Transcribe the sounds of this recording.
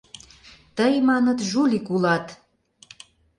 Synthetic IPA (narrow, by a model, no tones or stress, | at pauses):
t̪əjmɑnə̆t̪ʒulʲikulɑt̪